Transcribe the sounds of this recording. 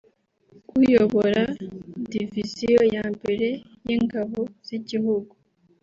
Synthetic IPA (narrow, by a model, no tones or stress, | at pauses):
kujoβo̞ɾadivisiojaːmbe̞ɾe̞ | jiŋɡaβo̞z̥iɟiɦuɡu